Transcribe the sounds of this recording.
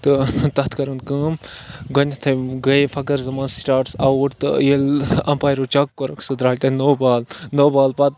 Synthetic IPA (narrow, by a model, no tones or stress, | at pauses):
t̪ɨt̪ɐt̪ʰkɐɾɐnkɨ̃mɡɐnʲt̪ʰɐɡɐjfʰɐkɐɾzɐmaːnsʈaːʈsɐwuʈt̪ɨ̰jelɐ̰mpaːjɾot͡ʃɐkːoɾɐkʰsɨd̪ɾaːlʲt̪ɐnoːbaːlnoːbaːlpɐt̪̚